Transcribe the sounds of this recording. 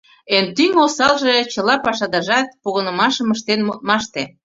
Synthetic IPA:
ent̪yŋosɑlʒet͡ɕəlɑpɑʃɑd̪ɑʒɑt̪̚puɣənə̆mɑʃəməʃt̪enmot̪̚mɑʃt̪e

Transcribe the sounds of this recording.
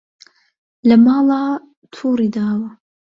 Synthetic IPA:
lɐmɑːlɑː | t̪ʰuːɾiːd̪aːwɐ

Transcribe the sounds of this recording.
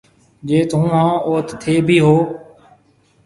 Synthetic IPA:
d͡ʒeːt̪ũːɦãːoːt̪t̪ʰːeːbʱiːɦoː

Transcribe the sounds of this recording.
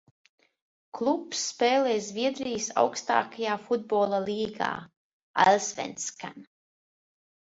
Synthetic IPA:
klˠupsːpɛːlɛːzvʲiɛd̪ɾijsa̰wkst̪a̰ːkajaːfud̪̚boːlˠalʲˠiːɡa̰ː | a̰lʲsvʲɛ̰nt̪ska̰n

